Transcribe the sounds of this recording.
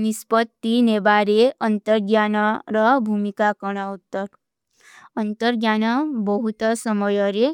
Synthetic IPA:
nispɔt̪ːinebaɾeɔnt̪ɔɾɡjanɔɾɔbʱumikakɔɽ̃aut̪ːɔɾ | ɔnt̪ɔɾɡjanɔbɔɦut̪ɔsɔmɔjɔɾe

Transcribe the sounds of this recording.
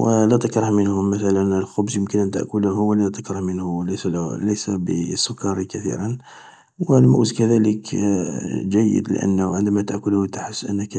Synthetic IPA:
wəlæt̪əkɾˤɑhmənhʊmːæt̪ælənəlxʊbzjəmkənʔænt̪ə̰ʔkʊlhʊwəlːæt̪əkɾɑhmənhʊləsləjsæbə̰sːʊkːɑɾikæt̪ḭɾən | wəlmʊ̰ʔzkæd̪ælək | ʒæjːə̰d̪lə̰ʔə̰nːʕənd̪æmæt̪əʔkʊlhʊt̪aħəsːʔənːək

